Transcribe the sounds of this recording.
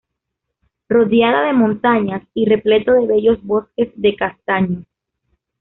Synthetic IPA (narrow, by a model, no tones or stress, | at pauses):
roðjaðaðe̞mõnt̪aɲasire̞ple̞t̪oðe̞βe̞ʝo̞zβo̞ske̞zðe̞kast̪aɲo